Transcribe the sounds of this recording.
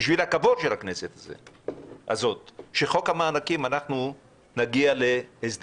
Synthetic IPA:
ʃvilhakavodʃelhakne̞set̪azḛa̰zo̞t̪ʃeχo̞kamaːnakimanaχnu | naɡiale̞ezd̪

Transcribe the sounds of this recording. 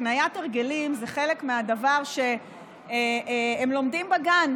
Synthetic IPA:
najateʁɡelimzeχe̞lekmeadavaʁʃe̞ | emlo̞mdimbaɡan

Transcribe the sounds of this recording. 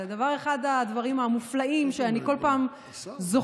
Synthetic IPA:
d̪avaʁe̞χad̪ad̪vaʁimamuflaimʃeaniko̞lpaːm | zo

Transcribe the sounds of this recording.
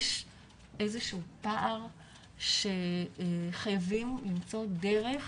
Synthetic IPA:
ʃ | ʔezeʃuupaʔaʁ | ʃe | χajavimlimt͡so̞d̪eʁeχ

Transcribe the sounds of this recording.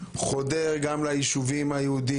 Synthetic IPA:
χod̪eʁɡamlaiʃuvimhajeud̪i

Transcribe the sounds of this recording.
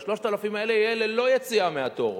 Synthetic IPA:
ʃlo̞ʃtaalafimaeleielelo̞jet͡siameat̪o̞̰ʁ

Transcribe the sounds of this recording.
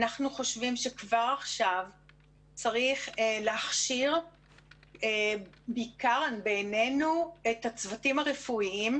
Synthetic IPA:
naχnuχo̞ʃvimʃe̞kvaʁaχʃav | t͡saʁiχeleaχʃiʁ | e | bikaʁbejnenuetat͡svatimaʁefuiim

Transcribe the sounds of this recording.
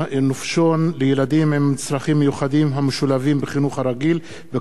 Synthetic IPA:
nufʃonlejelad̪imhemt͡slaχimːejuχad̪imɦameʃulavimbeχinuχhaɾaɡil | ve

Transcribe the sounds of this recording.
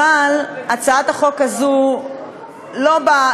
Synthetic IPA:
alat͡saat̪aχo̞kazu | loba

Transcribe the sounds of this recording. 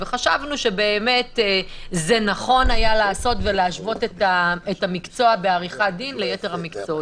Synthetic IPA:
veχaʃavnuʃe̞be̞ːme̞tezenaχo̞najalaːso̞tve̞leaʃvo̞tetaetamikt͡so̞abeaʁiχadinlejete̞ʁamikt͡so

